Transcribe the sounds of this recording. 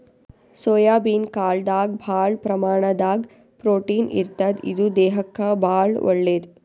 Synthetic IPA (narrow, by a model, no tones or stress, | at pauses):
soːjaːbiːnkaːɭd̪aːɡbʱaːɭpɾɐmaːɳɐd̪aːɡ | pɾoːʈiːnḭɾt̪ɐd̪ḭd̪ud̪ɛːɦɐkːɐbaːɭɔ̰ɭːeːd̪